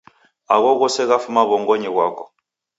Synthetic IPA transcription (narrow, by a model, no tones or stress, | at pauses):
aɣɔɣɔsɛɣafumaβɔŋɡɔɲɛɣwakɔ